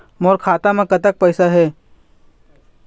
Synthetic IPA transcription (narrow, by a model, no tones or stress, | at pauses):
moːɾkʰaːt̪amẽkɐt̪ək̚pəːsaɦɛː